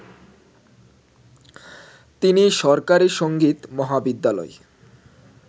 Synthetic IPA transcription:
t̪iniʃɔɾkaɾiʃoŋɡit̪mɔɦabid̪ːalɔ̰e

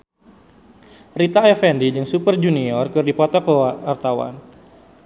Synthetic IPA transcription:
rit̪aɛfɛndid͡ʒɨŋsupərd͡ʒuniɔrkɨrdipɔt̪ɔkəwaart̪awa̰n

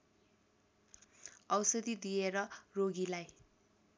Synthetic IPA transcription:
ʌwsʌd̪id̪ijeɾʌroɡilaj

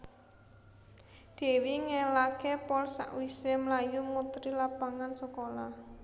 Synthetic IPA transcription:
d̪̥e̤wiŋelakepɔlsa̰ʔwisemlajumut̪ɾilapaŋansəkola

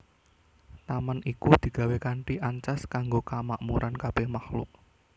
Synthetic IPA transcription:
t̪amanikud̪̥i̤ɡ̥ä̤wekaɳʈiʔaɲt͡ʃaskaŋɡokamaʔmuɾʔankab̥ɛhmahlʊ̰ʔ

